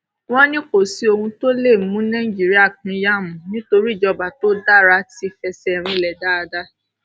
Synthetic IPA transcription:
w̃ɔ̃˦nĩ˦ko˦˨si˧˦o˧hũ˧to˦le˦˨mũ˦nã˦i˦d͡ʒi˦ɾi˦a˦˨kĩ˨˧˦ja˦˨mũ˨nĩ˦to˧ɾi˦˨d͡ʒɔ˧ba˨to˦da˦˨ɾa˧˦ti˧fɛ˧sɛ˧˨ɾ̃ĩ˧˨lɛ˨da˦a˧da˦

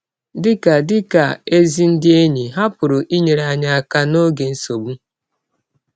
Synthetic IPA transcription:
dɪ˦ka˨dɪ˦ka˨e˦zi˦n̩˦dɪ˦e˦ɲe˨ɦa˦pʊ˨ɾʊ˨ʔi˦ɲe˨ɾa˨˦˨ɲa˦a˦˨ka˦no˦ɡe˨n̩˦so˨bu˦

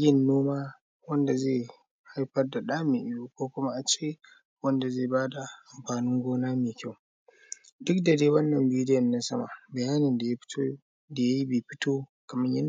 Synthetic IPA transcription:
jʲɪ˦˨nːoː˦maː˦ | wɐ˦nda˨zeː˦˨ | ha˦jɸɐ˦rda˨ɗaː˦mɪ˨ʔɪ˦jo˦kʷoː˦kʷʊ˦ma˦ʔa˨t͡ʃeː˦ | wɐ˦nda˨zeː˦˨baː˦da˨ʔa˨mɸaː˨nɪ˦ŋɡʷoː˦naː˦meː˨kʲa˦˨w | dʊ˦kdɐ˨deː˦wɐ˦nːɐ˨mbiː˦dɪ˦jɐ˨nːa˦sɐ˦ma̰˨bɐ˨jaː˦nɪ˨nda˨jḁ˦ | da˨ja˦ji˦beː˨ɸɪ˦toː˦ | kɐ˨mɪ˦ɲjɐ˦n

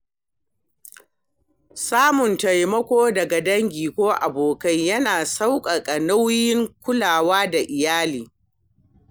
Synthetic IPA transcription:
saː˦mʊ˨ntɐ˨jmɐ˦kʷoː˦dɐ˨ɡa˨dɐ˦ŋɡʲiː˨kʷoː˦ʔa̰˨boː˨kɐ˦jjɐ˦naː˨sa˦wkʼɐ˨kʼɐ˨na˦wjɪ˦ŋkʷʊ˦laː˨waː˦da˨ʔɪ˨jaː˦liː˨

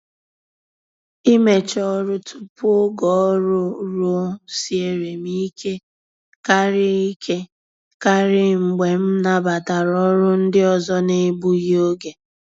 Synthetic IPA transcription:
i˦me˨t͡ʃɔ˦ɾʊ˦tʰu̥˨po˦ɡɔ˨˦ɾʊ˦ɾo˦si˦e˨ɾe˨mi˦kʰe˦ | ka˦ɾɪ˦i˦kʰe˦ | ka˦ɾɪ˦ŋ͡m̩˨ɡ͡be˨m̩˦na˨ba˨ta˨ɾɔ˦ɾʊ˦n̩˦dɪ˦ɔ˨zɔ˦ne˦bu˦ji˦o˦ɡe˨

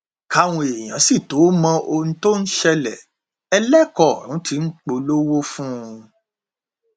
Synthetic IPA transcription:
ka˧w̃ɔ̃˧e˨j̃ã˨˦si˦˨to˨˦mɔ̃˧ʔo˧nũ˧˦to˦n̩˦ʃɛ˧lɛ˨ | ɛ˧lɛ˦kɔ˦˨ɾũ˨˦ti˨˦n̩˦k͡po˧lo˦wo˦fũ˦˧

